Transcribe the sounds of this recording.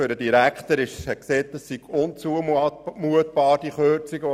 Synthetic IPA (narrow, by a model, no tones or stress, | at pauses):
ʏɾdədiɾækt̪əɾɪʃhɛkseːt̚dəsːiɡ̥ʊnt͡suəmmuətb̥ɑːɾd̥iχøt͡siɡə